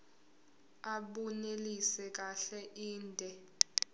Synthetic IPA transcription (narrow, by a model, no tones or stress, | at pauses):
aɓunelisɛk̬aɬɛʔiːndʱɛ